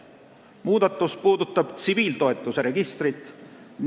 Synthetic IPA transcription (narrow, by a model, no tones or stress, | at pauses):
muːd̪̥ɑt̪ːˑuspuːd̪̥ut̪ˑːɑb̥t̪siviːlt̪o̞e̞t̪ːˑuse̞ɾe̞ɡ̥ist̪rit̪ːˑn